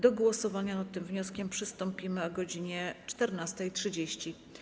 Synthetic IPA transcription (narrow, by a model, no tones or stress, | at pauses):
d̪ɔɡwɔsɔvaɲanat̪ːɘmvɲɔskʲɛmpʂɘst̪ɔmpʲimɘɔɡɔd͡ʑiɲɛt͡ʂt̪ɛɾnast̪ɛjtʂɘd͡ʑeɕt͡ɕi